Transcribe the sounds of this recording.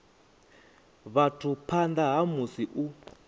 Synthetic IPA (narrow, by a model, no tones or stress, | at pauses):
βatʰupʰand̪aɦamusiʔu